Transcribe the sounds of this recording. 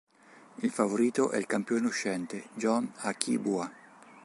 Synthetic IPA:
ilfavoɾiːt̪oʔɛ̰ilkampjonoʃɛnt̪ed͡ʒɔnakʰːḭbua

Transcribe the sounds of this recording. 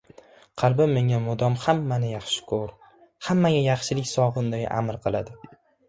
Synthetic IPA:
qʰɑlˠbɪmːe̞ŋʲamʊd̪ɒmhamːanɪjɑχʃɪ̥kʰoɾ | hamːaɡʲajɑχʃɪlɪkʲsɒʁɨnd̪aja̰ʔa̰mɾqʰɨlˠad̪ɪ

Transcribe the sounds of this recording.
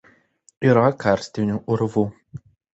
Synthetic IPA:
iːɾɐkɑˑɾʲsʲt̪ʲɪnʲuˑʔʊɾʋu

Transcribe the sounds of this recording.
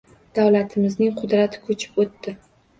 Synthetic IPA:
d̪̥awlat̪ʰɪmɪznɪŋqʰʊd̪ɾat̪ʰɪ̥kʰot͡ʃʰɪ̥pot̪ːɪ

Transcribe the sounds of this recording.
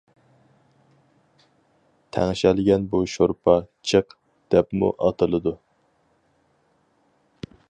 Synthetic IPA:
t̪ʰæ̰ŋʃɛlɪɡʲɛnbuʃoɾpʰɑt͡ʃʰəq | d̪̥ɛpmṵʔɑt̪ʰɨlˠɨd̪u

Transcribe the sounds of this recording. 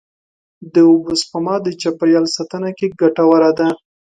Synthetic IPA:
d̪əʊbʊspamɑd̪ət͡ʃapaɾjɑlsat̪ənakeɡaʈawaɾad̪a

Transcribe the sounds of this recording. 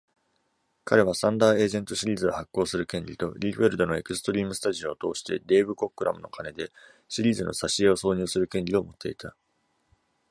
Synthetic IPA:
kʰaɾe̞βasãnd̪aːe̞ːzẽ̞nt̪o̞ɕiɾʲiːzɨohakːo̞ːsɨɾɯ̟kẽ̞ɲɾʲit̪o̞ɾʲiːɸɯɾɯ̟d̪o̞no̞e̞kɯ̟sɨ̥t̪o̞ɾʲiːmɯ̟sɨ̥t̪aʑio̞ːt̪o̞ːɕi̥t̪e̞̰d̪e̞ːbɯ̟ko̞kːɯ̟ɾa̰mɯ̟̰no̞̰kane̞d̪e̞ | ɕiɾʲiːzɨno̞̰saɕieo̞so̞ːɲ̟ɨːsɨɾɯ̟kẽɲʲɾʲio̞mo̞t̪ʰːe̞it̪ʰa

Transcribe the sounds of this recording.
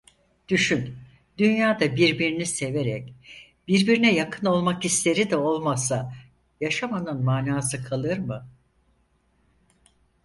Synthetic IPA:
d̪̥yʃyn | d̪̥ynjaːd̪abiɾbiɾinise̞ve̞ɾɛc | b̥iɾbiɾinɛjakʰɯno̞lˠmakist̪ʰe̞ɾid̪ɛo̞lˠmasa | jaʃamanɯnmaːnaːsɯkʰalˠɯɾmɯ

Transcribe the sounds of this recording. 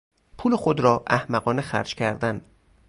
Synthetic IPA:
pʰuːlexod̪ɾɒːʔæhmæɣɒːnexæ̰ɾd͡ʒkcʰæɾd̪æn

